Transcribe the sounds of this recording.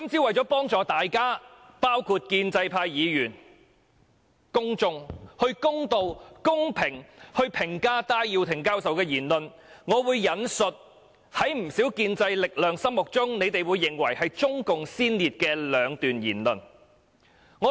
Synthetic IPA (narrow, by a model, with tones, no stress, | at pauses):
ɐ˥mt͡siː˨˧˥wɐ˨jt͡sɔː˨˥pɔː˥ŋt͡sɔː˨t̪aː˨jkaː˥ | paː˥wkʰuː˧t̚kiː˧nt͡sɐ˧jpʰaː˧jːiː˨˧jyː˨˩n | kʊ˥ŋt͡sʊ˧ŋhɵ˧ɥkʊ˥ŋt̪o˧wkʊ˥ŋpʰɪ˨˩ŋhɵ˧ɥpʰɪ˨˩ŋkaː˥t̪aː˥jjiː˧wt̪ʰɪ˨˩ŋkaː˥wsɐ˨wkɛː˧jiː˨˩nlɵ˨n | ŋɔː˨˧wuː˨˧jːɐ˨˧nsɵ˨t̚ | hɐ˨˥jm̩˨˩siː˨˥wkiː˧nt͡sɐ˧jlɪ˨k̚lœː˨˧ŋsɐ˥mmʊ˨k̚t͡sʊ˥ŋne˨˧jt̪e˨jwuː˨˧jːɪ˨˩ŋwɐ˨˩jhɐ˨jt͡sʊ˥ŋkʊ˨ŋsiː˥nliː˨t̚kɛː˧lœː˨˧ŋt̪yː˨njiː˨˩nlɵ˨n | ŋɔː˨˧